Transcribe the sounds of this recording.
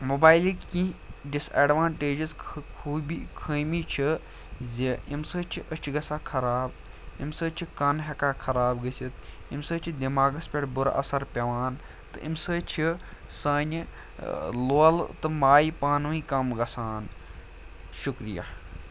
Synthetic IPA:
moːbaːjlikĩɖisḛːɖʋaːnʈeːd͡ʒizkʰuːbikʰəːmit͡ʃʰi | zʲiimsəːt͡ʃʰiʔət͡ʃʰɡɐsaːkʰɐɾaːb | imsəːt͡ʃʰikɐnɦɐkaːkʰɐɾaːbɡɐsit̪ | imsəːt͡ʃʰid̪imaːɡɐspʲeʈbʊɾ̰ʔɐ̰sɐɾpʲɐʋaːn | t̪ɨ̰ʔimsəːt͡ʃʰi | saːnʲ | loːlt̪ɨmaːjipaːnʋĩkɐmɡɐsaːn | ʃukɾija̰ː

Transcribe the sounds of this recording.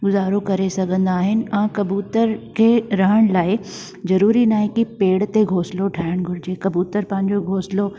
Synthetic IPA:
ɡʊzaːɾokɐɾesɐɡʱə̃nd̪aːɦɪnɪ̆ãːkɐbuːt̪əɾkʰeːɾɐɦəɽ̃laːɪ | zɐɾuːɾinaːɦẽkipeːɽt̪eɡʱoːsloʈʰaːjəɽ̃ɡʱʊɾɪd͡ʑeːkɐbuːt̪əɾpɐ̃ɦɪ̃ɲd͡ʑoɡʱoːslo

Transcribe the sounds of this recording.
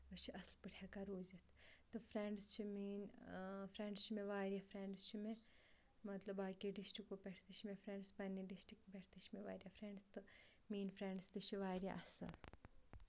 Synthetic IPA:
ɐt͡ʃʰiʔɐslpɨʈʰjaːkaɾoːzit̪ʰt̪ɨfɾeɳɖst͡ʃʰimiːnfɾeɳɖst͡ʃʰimẽʋaːɾʲjafʰɾeɳɖst͡ʃʰime | mɐt̪lɐbaːkiɖisʈɾikopʲɛʈʰt̪it͡ʃʰimẽfɾeɳɖspɐnːiɖisʈɾikpeʈʰt̪it͡ʃʰimẽʋaːɾʲjafɾeɳɖst̪ɨ | miːnfɾẽɳɖst̪ɨt͡ʃʰiʋaːɾʲja̰ʔɐsɐ̰l

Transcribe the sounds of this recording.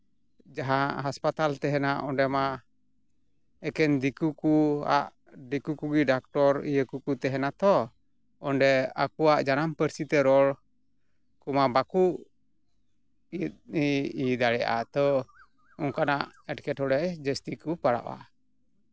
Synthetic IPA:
d͡ʒaɦaʔɦaspat̪alt̪ɛɦɛnaʔɔnɖɛma | ɛkɛnd̪ikukua̰ʔ | ɖikukuɡiɖak̚ʈɔɾijəkukut̪ɛɦɛnat̪ɔ | ɔnɖɛakuaʔd͡ʒanampəɾsit̪ɛɾɔɽ | kumabakuʔ | it̪̚niid̪aɽɛja̰t̪ɔ | ɔŋkanaʔɛʈkɛʈhɔɽɛʔd͡ʒəst̪ikupaɽa̰ʔa̰

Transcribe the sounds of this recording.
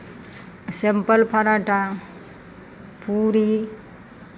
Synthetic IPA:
sempəlpʰaɾaʈa | puɾi

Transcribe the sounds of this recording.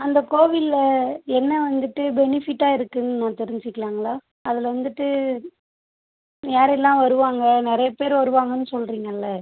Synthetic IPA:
ɐnd̪ɐkoːʋɪlɐɛnːɐʋɐnd̪ɯʈːɯbɛnɪfɪʈːaːɪɾɯkːɯnːɯnãːt̪ɛɾɪɲd͡ʒɪkːɐlaːŋɡɐɭaː | ɐðɪlʋɐnd̪ɯʈːɯ | jaːɾɛlːãːʋɐɾɯʋaːŋɡɐnɪɾɐjɐpeːɾʋɐɾɯʋaːŋɡɐnːɯsɔlɾiːŋɡɐlːɐ

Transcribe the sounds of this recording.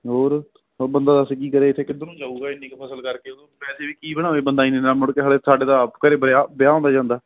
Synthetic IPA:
ɦoːɾ | bənd̪aːd̪əskiːkəɾeːɪt̪ʰːeːkɪd̪õːnũːd͡ʒaːuːɡaːɪnːiːkːpʰəsəlkəɾkeːod̪õːpɛːseːʋiːkiːbəɽ̃ãːʋeːbənd̪aːĩːneːnːaːmʊɽkeːɦəɽeːsaːɖeːd̪aːpkəɾeːbəɾjaːbjaːɦõːnd̪aːd͡ʒãːnd̪aː

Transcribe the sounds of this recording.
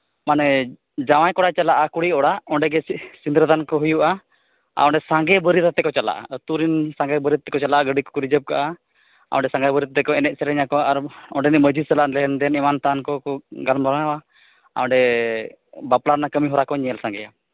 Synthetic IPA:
manɛ | d͡ʒawajkɔɽat͡ʃalaʔakuɽiɔɽaɔɳɖɛɡɛsind̪ɾəd̪ankɔɦujuʔa | a̰ɔ̃ɳɖɛsãŋɡɛbəɾit̪t̪ɛkɔt͡ʃala̰ʔa̰t̪uɾinsãŋɡɛbəɾit̪̚ːɛkɔt͡ʃalaʔaɡəɖikɔ̥kɔɾid͡ʒəp̚ka̰ʔa | a̰ɔ̃ɳɖɛsãŋɡabəɾit̪̚t̪ɛkɔɛnɛʔ̚sɛɾɛɲakɔaɾɔ̃ɳɖɛnɛʔməd͡ʒisalaʔlɛɦɛnd̪ɛnimant̪ankɔɔɡalmɔɾanawa | a̰ɔ̃ɖɛ | baplaɾnakəmiɦɔɾakɔɲɛəlsãŋɡɛja

